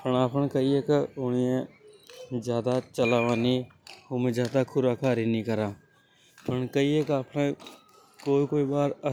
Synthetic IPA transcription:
pəɳaːpənkəiekʊniẽ | d͡ʒjaːd̪at͡ʃəlaːʋaːnihomẽd͡ʒjaːd̪akʰʊɾaːkʰaːɾinĩkəɾaː | pəɳkəiekaːpne | koːikoːibaːɾə

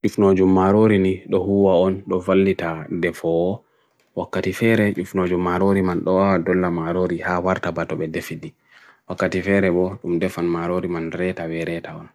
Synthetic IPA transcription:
t͡ʃufnod͡ʒumːaɾoɾiniɗɔhuwaɔnɗɔfalːitadɛfɔː | wakːatifɛɾɛt͡ʃufnod͡ʒumːaɾoɾimanɗɔawadɔlːamaɾoɾihawaɾtabatɔɓɛdefidi | wakːatifɛɾɛbɔɗumdɛfanmaɾoɾimanɾɛtawɛɾɛtaɔn

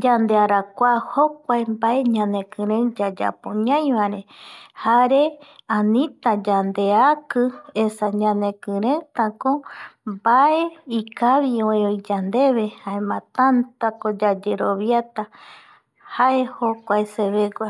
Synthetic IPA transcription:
d͡ʒand̪eaɾakʷahok̚ʷaembaʔe̞ɲãnekɨ̃ɾẽd͡ʒad͡ʒa̰poɲãj̃βaɾẽhaɾe̞ãnĩt̪ad͡ʒand̪eakɨesaɲãnẽkɨ̃ɾẽt̪ãkombaeikaβioeojd͡ʒand̪e̞βe̞haemãt̪ant̪akod͡ʒad͡ʒeɾo̞βjat̪a | haʔe̞hokʷaeseβeɡʷa

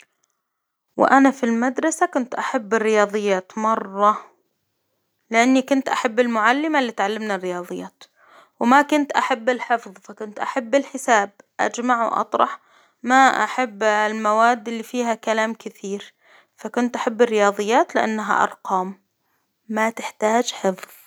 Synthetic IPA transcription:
wɪ̰ʔanafilmad̪ɾˤɑsakʊnt̪ʔaħabːɪrːɪjɑːðˤɨjːaːt̪mɑrˤːɑ | lɪʔanːikʊnt̪ʔaħabːɪlmʊʕalːɪmalːiːt̪ʕalːɪmnarːɪjɑːðˤɨjːaːt̪ | wmakʊnt̪ʔaħabːɪlħɪfðˤfakʊnt̪ʔaħabːɪlħɪsaːb̚ | ʔa̰d͡ʒmaʕwʔɑ̰t̪ˤɾˤɑħ | maʔa̰ħabːlmawaːd̪ːɪlːifiːɦakalaːmkɪθiːɾ | fakʊnt̪ʔaħabːɪrːɪjɑːðˤɨjːaːt̪lɪʔa̰nːaɦa̰ʔɑ̰ɾˤqɑːmː | at̪ɪħt̪aːd͡ʒħɪfðˤ

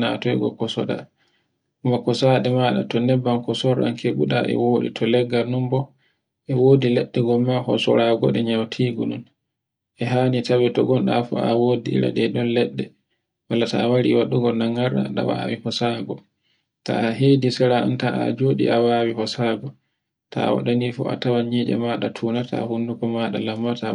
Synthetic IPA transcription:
na̰tɔɛɡɔ̰kɔsɔɗa̰ | ʔumakɔsaːɗɛmaɗa̰tɔnɛbːankɔsɔɾa̰nkʰeɓuɗa̰ʔɛ̰woːɗḭtʰɔlɛɡːanumbɔ | ʔɛwoːdilɛɗːɛɡɔmahɔ̰sɔ̰ɾaɡɔɗɛɲawtʰiːɡɔɗun | ʔɛɦaːnitawɛtɔ̰ɡɔnɗa̰fɔ̰awoːdiɾa̰ɗɛɗɔnlɛɗːɛ | walːataːwaɾḭwaɗːuɡɔnaŋːaɾːa̰ɗa̰wa̰wihɔsaɡɔ | ta̰aɦedisɛɾaa̰ntaʔa̰d͡ʒoːɗḭʔawaːwihɔsaɡɔ | ta̰wa̰ɗanifɔ̰a̰tawaɲid͡ʒɛ̰maɗatʰuːnatʰa̰hundukɔmaɗalamːata

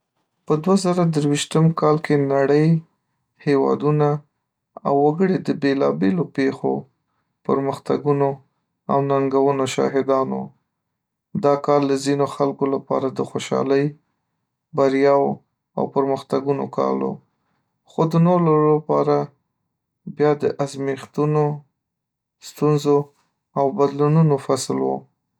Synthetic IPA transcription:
pəd̪wazaɾawd̪əɾwiʃt̪əmkɑlkenaɽəj | hewɑ̰d̪una | a̰wːaɡəɽed̪əbelɑbelopexo̰ | pəɾməxt̪a̰ɡuno | a̰wnaŋɡawənoʃɑ̰ɦɪd̪ɑno̰ | d̪ɑkɑɾləzinoxalkolapɑ̰ɾad̪əxoʃɑ̰ləj | baɾjɑwo | a̰wpəɾməxt̪aɡunokɑ̰lo̰ | xod̪ənolalapɑɾa | bjɑd̪əʔazmixt̪uno | st̪unzo | awbad̪lununofaslwo

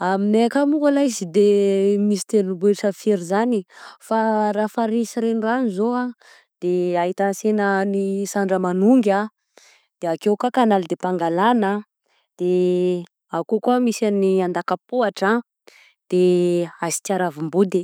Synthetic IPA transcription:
amineakamukalazid̪emisi̥t̪enubeʈ͡ʂəfeɾizanifaɾafaɾisiɾeniranizoa | d̪̥eait̪ansenənisaɳɖ͡ʐəmanuŋɡa | d̪̥eakewkakanalid̪epaŋɡalana | d̪̥e | akokuəmisaniand̪akapoaʈ͡ʂa | d̪̥eazi̥t̪jaɾavumbud̪i

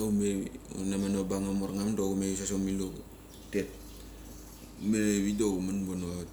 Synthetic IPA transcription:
oumeṵnamanobaŋamoɾŋamdoɡumeus̬asomilo | tet̚ | meβidoumanbono

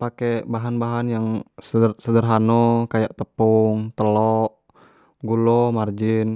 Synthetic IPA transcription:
pakɛbaɦanbaɦanjaŋsərsədərɦanɔkajaʔt̪əpuŋt̪əlɔʔ | ɡulɔmard͡ʒin

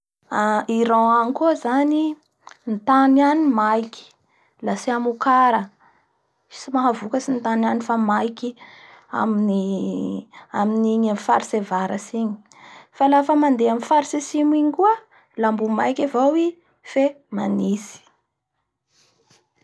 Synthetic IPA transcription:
aiɾaanikuəzani | nt̪ananimajkʲi̥ | lasiamukaɾə | simaɦavukəsint̪ananifamajkia̰mini | aminiɲafaɾisevaɾəsiɲi̥ | falafəmand̪eamifaɾisesimiɲikuə | lambumajkʲavowi | fe | manisi̥

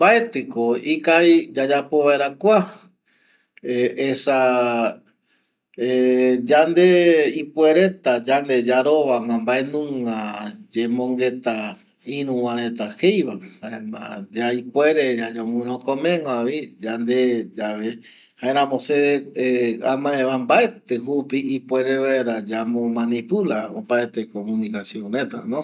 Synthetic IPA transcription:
mbaet̪ɨkoikajd͡ʒad͡ʒapoβaeɾakʷa | eesa | ed͡ʒand̪eipweɾe̞t̪ad͡ʒand̪e̞d͡ʒaɾo̞ʋamãmbaenũŋãd͡ʒẽmõŋɡe̞t̪a | ĩɾũwãɾ̃ẽt̪ahejβahaemã̰d͡ʒaipweɾed͡ʒad͡ʒõmũɾ̃õkõmẽŋwãβid͡ʒand̪ed͡ʒaβe | haeɾ̃ãmõseeamãeβambaet̪eɦupiipweɾeβaeɾad͡ʒamõmãnipulao̰paet̪ekomũnikasjõɾẽt̪a̰nõ

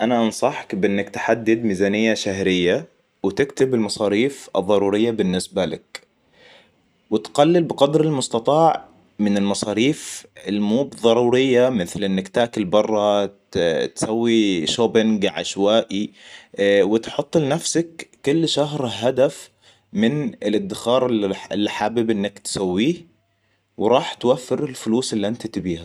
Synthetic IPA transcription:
ʔanaʔɑnsˤɑħkbɪʔɪnːakt̪ħad̪ːɪd̪miːzaːnɪjːaʃaɦɾɪjːa | wɪt̪ɪkt̪ɪbɪlmɑsˤɑːɾiːfʔɨ̰ðˤːɑɾˤuːɾɪjːabɪnːɪsbalɪ̰k | wɪt̪ɡalːɪlbɪqɑd̪ɾɪlmʊst̪ɑt̪ˤɑːʕ | mɪnɪlmɑsˤɑːɾiːfɪlmuːbðˤɑɾˤuːɾɪjːamɪθlʔɪnːakt̪aːkɪlbɑrˤːɑ | t̪sawːiʃobɪnɡaʕaʃwaːʔi | wɪt̪ħʊt̪ˤːlɪnafsakː | ʊlːʃaɦɾɦad̪af | mɪnɪlʔɪd̪ːɪxɑːɾˤɪɪlːiħaːbɪbʔɪnːakt̪sawːiː | wɪɾˤɑːħt̪wafːɪɾɪlfʊluːsɪlːiʔɪnt̪at̪ɪbiːha

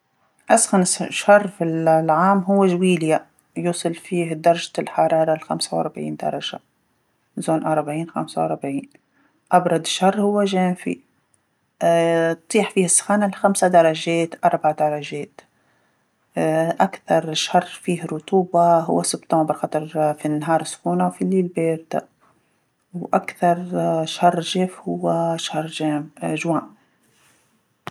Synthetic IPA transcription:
ʔasxanɪsʃhɑrˤːfillʕaːmɦʊwːaʒwiːlja | juːsˤɨlfiːɦd̪ɑɾˤɑʒalħɑɾˤɑːɾˤɑlxamsawʔɑ̰ɾˤbʕḭːnd̪ɑ̰ɾˤɑʒa̰ | zoːnʔɑɾˤbʕiːnxa̰msawʔɑɾˤbʕiːn | ʔɑbɾˤɑd̪ˤʃɑrˤːhʊwːaʒeːmfḭ | t̪t̪ˤiːħfiːhasːḁxaːnalxamsad̪ɑɾˤɑʒeːt̪ʔɑɾˤbaʕd̪ɑɾˤɑʒeːt̪ | ʔakθɑɾˤʃhɑrˤfiːhɾˤʊt̪ˤuːbaɦʊ̰wːasɪbt̪ˤoːmbɪɾxɑt̪ˤɑɾˤfinːaɦɑːɾˤɪsːkuːnawfilːiːlbeːɾt̪a | wʔakθɑɾˤʃɑrˤːʒeːfhʊwːaʃhɑrˤʒaːmʒwaːm

